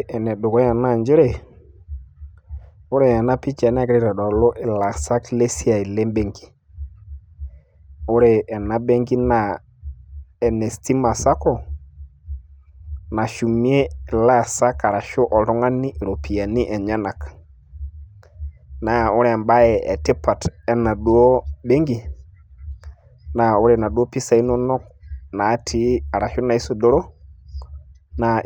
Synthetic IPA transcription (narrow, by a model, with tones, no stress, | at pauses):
ʔɛ˨nɛ˨ɗʊ˨kɔ˦ja˨na˦˨nd͡ʒɪ˦ɾe˦ | ʊ˦ɾe˦˨ja˨na˦pi˦t͡ʃa˨˦n˦˨kɾe˦ɾa˨dɔ˨lo˦ʔɪ˨la˨sa˦kle˦si˦a˨i˨le˦mbe˦ŋɡi̥˨ | o˦ɾe˨ɛ˨na˨be˦ŋɡi˦na˨ | ɛ˨nɛ˨sti˦ma˨sa˦kɔ˨ | na˨ʃu˨mi˦e˦la˦˨sa˦ka˨ɾa˨ʃo˦ʔɔ˨ɾɔ˦ŋa˦ni˦ʔɾo˨pʰi˨a˨ni˦ʔɛ˨ɲa˦na˨k | na˨ʊ˦ɾɛ˨mba˦ɛ˨ɛ̰˨te˦pa˨tɛ˦na˨du˦ɔ˦bɛ˦ŋɡi˨ | na˨ʊ˦ɾɛ˨na˨du˦ɔ˦pi˦sa˨i˦nɔ˦nɔ˦knaː˨˦tʰi˦a˨ɾa˨ʃɔ˦na˨i˦su˨dɔ˦ɾɔ˦ | na˨